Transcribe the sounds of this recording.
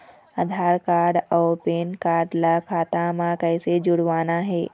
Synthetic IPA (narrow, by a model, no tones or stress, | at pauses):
ɐd̪ʱaːɾkaːɾɖɔːɾpeːnkaːɾɖlakʰaːt̪amãkɐɪsed͡ʒʊɽʋaːnaɦɛː